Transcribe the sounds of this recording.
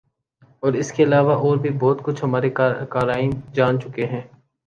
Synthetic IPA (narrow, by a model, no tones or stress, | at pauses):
ɔːɾɪskeɐlaːʋaʔɔːɾbʱibɔːt̪kʊt͡ʃʰɦɐmaːɾekaːɾaːɪ̃d͡ʒaːnt͡ʃʊkeɦɛ̃ː